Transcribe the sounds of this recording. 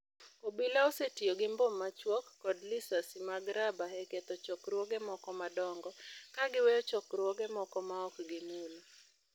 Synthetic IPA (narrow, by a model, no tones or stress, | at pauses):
obilaosetioɡɪmbomːat͡ʃwɔkːɔdlisasɪmaɡɾabaeket̪ɔt͡ʃɔkɾwɔɡemɔkɔmadɔŋɡɔkaɡɪwɛjɔt͡ʃɔkrwɔɡemɔkɔmaɔkɡɪmul